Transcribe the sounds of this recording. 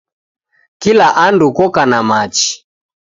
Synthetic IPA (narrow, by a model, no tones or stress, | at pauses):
kilaʔandukɔkanamat͡ʃi̥